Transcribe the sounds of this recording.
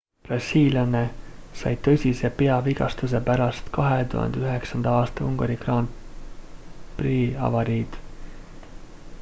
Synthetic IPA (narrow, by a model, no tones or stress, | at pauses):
prɾɑsiːlʲjɑne̞sɑjt̪ɤ̞sʲise̞pe̞ɑviɡɑst̪us̬e̞pæɾɑst̪kɑɦet̪ṵhɑ̰nd̪eyɦe̞ksɑnd̪̥ɑɑːst̪ɑuŋɡɑɾikrɑn | priɑ̰vɑɾiːd̪̥